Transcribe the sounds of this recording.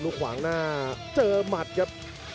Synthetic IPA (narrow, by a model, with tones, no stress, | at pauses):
lu˦˥kʰwa̰ː˩˦ŋnaː˥˩t͡ɕɤː˧ma˨˩t̪̚ka˦˥p̚